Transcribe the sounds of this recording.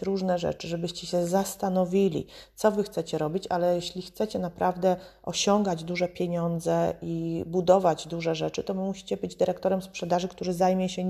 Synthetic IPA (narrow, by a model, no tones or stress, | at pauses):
ɾuʐnɛʐɛ̰t͡ʂɘʐɛbɘɕt͡ɕɛɕɛzast̪anɔvʲilʲḭt̪sɔvɘxt̪sɛt͡ɕɛɾɔbʲit͡ɕalɛjɛɕlʲixt̪sɛt͡ɕɛnapɾavd̪ɛ | ʔɔɕɔŋɡad͡ʑd̪uʐɛpʲjeɲɔnd̪zɛibud̪ɔvad͡ʑd̪uʐɛʐɛt͡ʂɘt̪ɔmuɕi̥t͡ɕɛbɘd͡ʑd̪ɘɾɛkt̪ɔɾɛmspʂɛd̪aʐɘkt̪uɾɘzajmʲjɛɕɛ